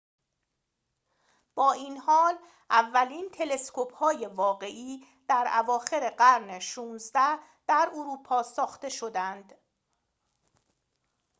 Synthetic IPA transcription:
b̥ɒːiːnhɒːl | ʔævːæliːnt̪ʰe̞le̞skʰophɒːje̞vɒːɣe̞ʔiː | d̪̥æɾæ̰vɒːxe̞ɾe̞ɢæɾneʃuːnzd̪æh | d̪̥æɾoɾuːpʰɒːsɒːxt̪e̞ʃo̞d̪ænd̪

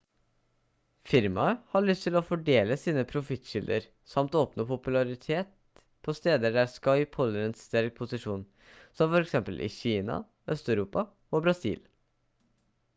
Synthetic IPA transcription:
fɪɾmɑəhɑɭʏst̪ʰɪlɔfɔɖeːləsiːnəpʰɾʊfɪt̪ʃɪld̪əɾ | sɑmt̪ːoːpnopʰʊpʉlɑɾɪt̪ʰeːt̪̚ | pʰɔst̪eːd̪əɖæɾskɑɪpʰhɔlːəɾəenst̪æɾk̚pʰʊsɪʂuːn | sɔmfɔɾɛksɛmpəlʔɪ̰çiːnɑ̰ | œst̪œʉɾuːpɑ | oːbɾɑsḭːl

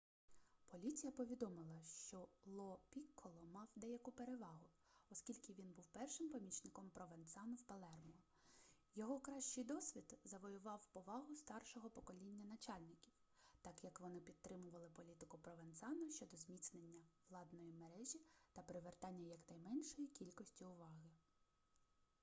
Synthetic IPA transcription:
pɔlʲit͡sʲijɐpɔʋʲid̪ɔmɪlˠɐʃt͡ʃɔlˠɔpʲikʰːɔlˠɔmɑwd̪ɛjɐkʊpeɾeʋɑɦʊ | ɔsʲkʲilʲkɪʋʲinbuwpɛrʃɪmpɔmʲit͡ʃnɪkɔmpɾɔʋent̪sɑnʊwpɐlˠɛrmɔ | jɔɦɔkɾɑʃt͡ʃɪjd̪ɔsʲʋʲid̪zɐʋɔjʊʋɑwpɔʋɑɦʊst̪ɑrʃɔɦɔpɔkɔlʲinʲːɐnɐt͡ʃɑlʲnɪkʲiw | t̪ɑkjɐkʋɔnɪpʲit̪̚ːɾɪmʊʋɐlˠɪpɔlʲit̪ɪkʊpɾɔʋent̪sɑnɐʃt͡ʃɔd̪ɔzmʲit̪snenʲːɐʋlˠɑd̪nɔjimeɾɛʒʲit̪ɐpeɾɪʋert̪ɑnʲːɐjɐknɐjmɛnʲʃɔjikʲilʲkɔsʲtʲiʊʋɑɦɪ

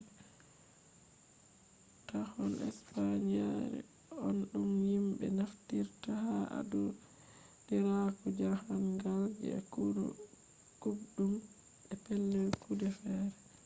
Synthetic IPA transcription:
tahɔnʔɛ̰spaɲaɾɛ̰ | ɔnɗumhimɓɛ̰naftiɾtahaʔa̰dɔ | diɾakɔd͡ʒahanɡald͡ʒɛ̰kudɔ̰ | kubɗum | ɛpɛlːɛkʰudɛfɛːɾɛ

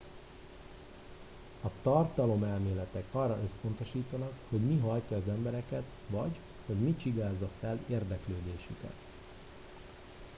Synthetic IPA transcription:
ɒt̪ɒrt̪ɒlo̞mɛlmeːlɛt̪ɛkɒrːɒʔø̞spo̞n̪t̪o̞ʃiːt̪ɒnɒkho̞ɟmiɦɒjcɒːzɛmbɛɾɛkɛt̪ | vɒɟ | ho̞ɟmit͡ʃiɡaːzːɒfɛleːrd̪ɛkløːd̪eːʃykɛ̰t̪

